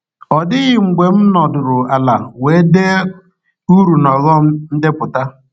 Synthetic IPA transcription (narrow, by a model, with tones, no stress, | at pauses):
ɔ˨dɪ˦ɣɪ˨ŋ͡m̩˨ɡ͡bʷe˨m̩˦nɔ˨dʊ˨ɾʊ˨a˨la˨we˨˦de˦ | u˦ɾu˨nɔ˨zɔ˦m̩˦n̩˦dɪ˦pʊ˨ta˦